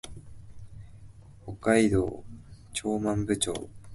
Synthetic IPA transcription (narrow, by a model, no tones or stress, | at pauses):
ho̞kːaid̪oːt͡ɕo̞ːmãmbɯ̟t͡ɕo̰ː